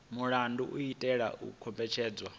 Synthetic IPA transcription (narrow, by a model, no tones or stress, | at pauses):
muɺanduʔuitʼɛɺa̰ʔṵkʰɔmbɛt͡ʃʰɛːd͡zwa